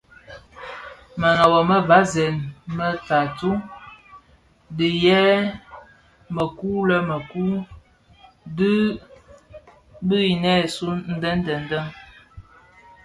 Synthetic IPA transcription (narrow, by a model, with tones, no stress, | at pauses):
mə˨nɔ˨bə˨mə˦va˨˦zɛ˨nmə˦ta˨tu˦ | di˨jɛː˦ | mə˨ku˦lə˦mə˨ku˦ | də˦ | bə˦i˨nɛ˦˨su˦n̩˦də˦n˦də˨n̩˨də˦ŋ